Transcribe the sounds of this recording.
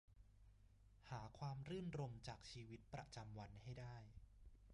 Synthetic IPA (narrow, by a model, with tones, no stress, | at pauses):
haː˩˦kʰwaː˧mɾɯː˥˩nɾo˧mt͡ɕaː˨˩k̚t͡ɕʰiː˧wi˦˥t̪̚pɾa̰˧t͡ɕa˧mwa˧nha˥˩jdaː˥˩j